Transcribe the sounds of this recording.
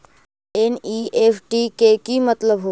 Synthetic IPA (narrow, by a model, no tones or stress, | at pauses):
eniefʈikekimət̪ləbɦo